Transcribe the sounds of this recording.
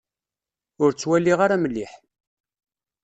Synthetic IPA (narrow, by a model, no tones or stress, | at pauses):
ʊɾt͡sːwælːiʁaɾaməlːiħ